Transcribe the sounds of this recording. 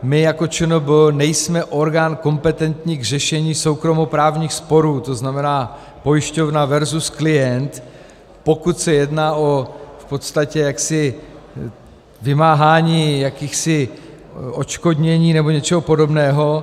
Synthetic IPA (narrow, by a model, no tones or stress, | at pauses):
mɪjako̞t͡ʃɛnobɪlnɛjsmɛʔo̞ɾɡaːnkompɛt̪ɛnt̪ɲiːɡr̝ɛʃɛɲiːso̞wkɾo̞mo̞pɾaːvɲiːxspo̞ɾuːt̪o̞znamɛnaː | po̞jɪʃco̞vnavɛɾzusklɪjɛnt̪ | po̞kut̪sɛjɛdnaːʔo̞fpo̞t̪st̪acɛjaksɪ | vɪmaːɦaːɲiːjakiːxsɪ | ʔo̞t͡ʃko̞d̪ɲɛɲiːnɛbo̞ɲɛt͡ʃɛɦo̞po̞do̞bnɛːɦo̞